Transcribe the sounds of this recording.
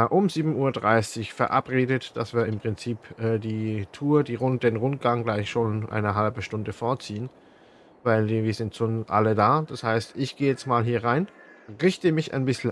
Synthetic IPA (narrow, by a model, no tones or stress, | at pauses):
ʔʊmziːbm̩uːɐdʁaɪsɪçfɛɐʔa̰pʁeːdətd̥asv̥iːɐɪmpʁ̥ɪnt͡siːpʔɛːdiːtʰuːɐdiːʁʊnt̚d̥eːnʁʊnt̚ɡ̥aŋɡlaɪçʃoːnʔa̰ɪnəɦalbəʃtʊndəfɔɐt͡siːən | vaɪlɪviːɐzɪntʃoːnʔa̰lədaːd̥ashaɪstʔɪçɡ̥eːjɛt͡stmaːlɦiːɐʁaɪn | ʁɪçtəmɪça̰ɪnbɪsl̩